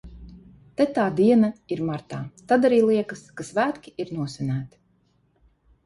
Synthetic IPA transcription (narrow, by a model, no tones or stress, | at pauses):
t̪ɛt̪aːd̪iɛnaiɾmaɾt̪aːt̪ad̪aɾiːlˠiɛkɐskasvæːt̪kʲiiɾnuɔsʲɛnæːt̪i̥